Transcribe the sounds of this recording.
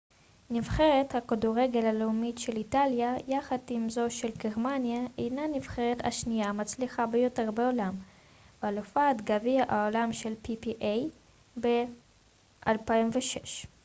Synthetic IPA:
nivχe̞ʁet̪hakaduʁeɡe̞laleumitʃe̞litaljajaχad̪imzo̞ʃe̞lɡeʁmanjaejnanivχe̞ʁet̪a̰ʃnijamat͡sliχabejo̞te̞ʁbeolam | valofat̪ɡaviaʔaolamʃe̞lpipiʔej | be | ʔalpaimveʃeʃ

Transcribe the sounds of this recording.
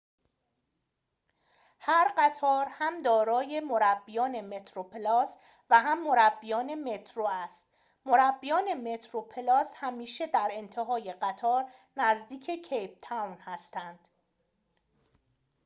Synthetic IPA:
hæɾɢæt̪ʰɒːɾhæmd̪ɒːɾɒːje̞moɾæbːijɒːne̞me̞t̪ʰɾopelɒːs | væɦæmːo̞ɾæbːijɒːne̞me̞t̪ʰɾoæst̪ | moɾæbːijɒːne̞me̞t̪ʰɾopʰelɒːshæmiːʃe̞d̪æɾe̞nt̪ʰe̞ɦɒːje̞ɢæt̪ʰɒːɾnæzd̪iːcʰe̞cʰejp̚t̪ʰæwnhæst̪ænd̪̥

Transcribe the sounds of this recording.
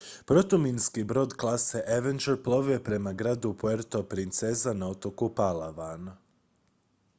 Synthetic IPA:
pɾo̞t̪uminskibɾo̞ːd̪klˠaseʔeʋend͡ʒeɾplˠoʋepɾe̞maɡɾaːd̪upoeɾt̪opɾint̪sezanao̞t̪o̞kupalaʋan

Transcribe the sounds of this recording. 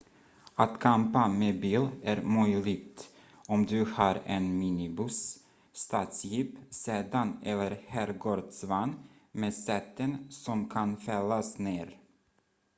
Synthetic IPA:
at̪kʰampameːbiːlæɾmœjlɪɡ̚t̪ | ɔmd̪ɵhɑːɾɛnmiːnɪbɵsː | t̪ɑːt̪sjiːpseːd̪anɛlːəɾhæːɾɡoːɾd̪svanːmeːsɛt̪ːənsɔmkʰanfɛlːasneːɾ

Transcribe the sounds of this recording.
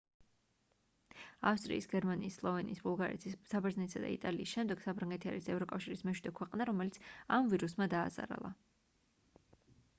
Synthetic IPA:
afst̪ʼɾḭːsɡɛɾmaniːslˠɔvɛniːsbulˠɡaɾɛ̰t̪ʰissabɛɾznɛt̪sad̪a̰ḭt̪ʼaliːsʃɛmd̪ɛɡ̥sapʰɾaŋɡɛt̪ʰia̰ɾisɛvɾɔkʼafʃiɾismɛʃwid̪ɛkʰwɛqʼnaɾɔmɛlit̪sʰamviɾusmad̪aːza̰ɾa̰lˠa̰

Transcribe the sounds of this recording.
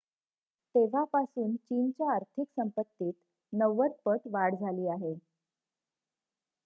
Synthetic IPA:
t̪eʋ̤apasuːnt͡ɕiːnt͡ɕjaːɾt̪ʰiksəmpət̪ːiːt̪ | nəʋəɾ̚pəʈʋaɽd͡zʱaliːaɦe

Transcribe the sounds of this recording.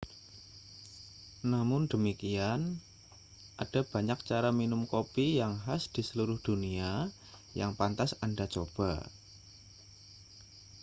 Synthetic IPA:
namʊndəmikian | ʔad̥a̤b̥a̤ɲak̚t͡ʃaɾaminʊmkopijaŋɦasd̥i̤səluɾʊhd̥unia | jaŋpant̪asandat͡ʃob̥a̤

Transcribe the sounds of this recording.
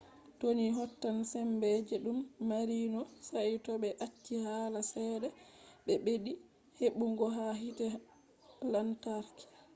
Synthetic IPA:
toniɦɔtːansɛmbɛd͡ʒɛɗumːaɾinɔsajtɔbɛʔat͡ʃːihalasɛːdɛɓɛbeɗi | heɓuŋɡɔɦaɦitɛ | lantaɾki̥

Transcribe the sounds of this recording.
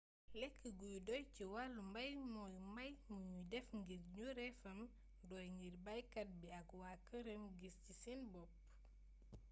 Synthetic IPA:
lɛkʰːəɡujudɔjciwalumbɐjmɔjmbɐjmuɲudɛfŋɡiɾɲuɾɛfɐm | dɔjŋɡiɾbɐjkɐt̚biɐkwakəɾəmɡiscisinbɔp̚

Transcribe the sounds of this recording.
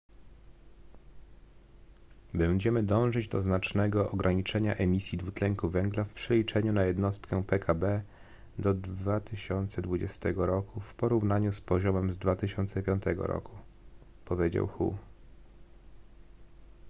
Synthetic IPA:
bɛɲd͡ʑɛmɘd̪ɔ̃w̃ʐɘd͡ʑd̪ɔznat͡ʂnɛɡɔʔɔɡɾaɲit͡ʂɛɲaʔɛmʲisʲjid̪vut̪lɛŋkuvɛŋɡlafpʂɛlʲit͡ʂɛɲunajɛd̪nɔst̪kɛpɛkʰabɛ | d̪ɔd̪vat̪ɘɕɔnt̪sɛd̪vud͡ʑɛst̪ɛɡɔɾɔkufpɔɾuvnaɲuspɔʑɔmɛmzd̪vat̪ɘɕɔnt̪sɛpʲjɔnt̪ɛɡɔ̰ɾɔ̰ku | pɔvʲjed͡ʑa̰wxṵ

